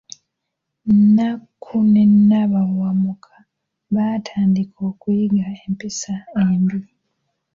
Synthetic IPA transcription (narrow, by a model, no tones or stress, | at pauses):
nakʰunenaβawamukʰḁ | βatʰaːndikʰo̞ːkujiɡaempisaeːmbi